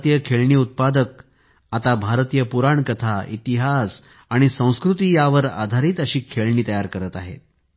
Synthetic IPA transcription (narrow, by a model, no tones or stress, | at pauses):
t̪ijəkʰeɭɳiːut̪̚pad̪ək̚ | at̪abʱaɾt̪ijəpuɾaɳkət̪ʰaʔḭt̪iɦas | aɽ̃isə̃w̃skɾut̪iːjaʋəɾa̰d̪ʱaɾiːt̪əɕiːkʰeɭɳiːt̪əjaɾkəɾət̪a̰ɦḛt̪̚